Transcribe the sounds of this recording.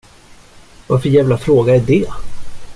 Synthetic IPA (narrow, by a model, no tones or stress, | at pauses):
vaɾfœɾjæːvlafɾoːɡaæɖɛ